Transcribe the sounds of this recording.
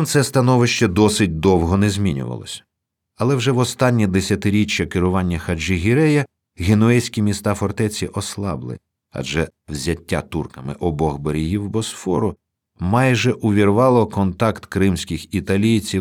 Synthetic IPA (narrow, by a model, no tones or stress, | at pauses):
mt̪sɛst̪ɐnɔʋɪʃt͡ʃɛd̪ɔsɪt̚ʲd̪ɔwɦɔnɛzʲmʲinʲʊ̰ʋɐ̰lˠɔ̰sʲɐ̥ | ɐlˠɛwʒɛʋɔst̪ɑnʲːid̪esʲɐt̪ɪɾʲit͡ʃːɐkɪɾʊʋɑnʲːɐxɐd͡ʒɪɦʲiɾɛjɐ | ɣenʊɛsʲkʲimʲist̪ɑfɔrt̪ɛt͡sʲiʔɔslˠɑ̰blˠɪ̰ | ɐ̰d͡ʒɛ | wzʲɐtʲːa̰t̪urkɐmɪ̰ʔɔbɔɣbɔɾʲiɦiwbɔsfɔ̰ɾʊ | mɑjʒɛʔʊʋʲirʋɑlˠɔkɔnt̪ɑkt̪kɾɪmsʲkʲɪxit̪ɐlʲijt͡sʲi